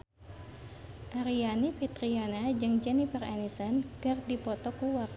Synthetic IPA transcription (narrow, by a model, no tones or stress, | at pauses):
ʔaɾianipit̪ɾianad͡ʒɨŋd͡ʒɛnifəranisɔnkɨrdipɔt̪ɔkuwar